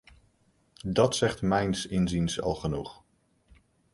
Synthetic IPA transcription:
dɑtsɛχtmɛjnsɪnzinsɑ̰lˠχənuχ

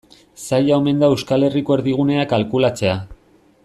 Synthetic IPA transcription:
sajaome̞nd̪aewskale̞riko̞e̞ɾðiɣ̞une̞akalkulat͡se̞a

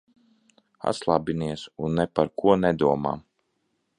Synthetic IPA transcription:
a̰slˠabʲiniɛsunːɛpaɾkuɔnɛd̪uɔma̰ː

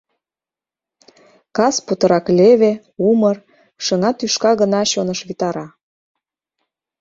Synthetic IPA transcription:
kɑsput̪ə̆ɾɑkleβe | umər | ʃəŋɑt̪yʃkɑɣənɑɕonəʃβit̪ɑɾɑ

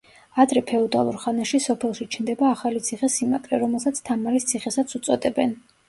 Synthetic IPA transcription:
ad̪ɾɛpʰɛɔd̪a̰lˠuɾχanaʃisɔpʰɛlˠʃit͡ʃʰnd̪ɛbaːχalit̪sʰiχɛsima̰kʼɾɛɾɔmɛlˠsat̪sʰt̪ʰamaɾist̪sʰiχɛsat̪sʰut̪sʼɔd̪ɛbɛn

